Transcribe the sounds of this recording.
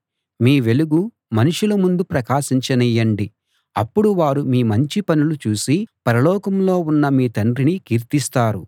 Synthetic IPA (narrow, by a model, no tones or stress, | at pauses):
miːʋe̞luɡu | mɐnuʂulɐmund̪upɾɐkaːʃiɲt͡ʃɐnijːɐɳɖi | ɐpːuɽuʋaːɾumiːmɐɲt͡ʃipɐnulut͡ʃuːsipɐɾɐlɔːkɐmlo̞ːunːɐmiːt̪ɐɳɖɾinikiːɾt̪ist̪aːɾu